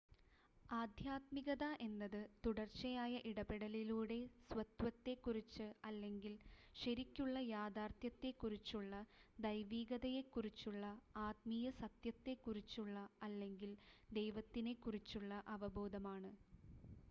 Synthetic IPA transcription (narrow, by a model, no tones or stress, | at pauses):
aːd̪ʱjaːt̪miɣɐðɐʔe̞nːɐðɨt̪uɽɐrt͡ɕːɐjaːjɐʔiɽɐbeɽɐliluːɽe̞sʋɐt̪ʋɐt̪ːe̞kːurit͡ɕːɨɐlːe̞ŋɡilɕɐɾikʲːuɭːɐjaːd̪aːrt̪jɐt̪ːe̞kːurit͡ɕːuɭːɐd̪ɐjʋiːɡɐðɐje̞kːurit͡ɕːuɭːɐaːt̪miːjɐsɐt̪jɐt̪ːe̞kːurit͡ɕːuɭːɐɐlːe̞ŋɡild̪e̞jʋɐt̪ːine̞kːurit͡ɕːuɭːɐʔɐʋɐbo̞ːd̪ɐmaːɳɨ